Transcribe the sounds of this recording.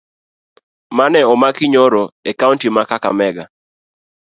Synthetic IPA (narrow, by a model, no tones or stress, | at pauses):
manɛɔmakiɲɔɾɔekauntimakaka̰mɛɡa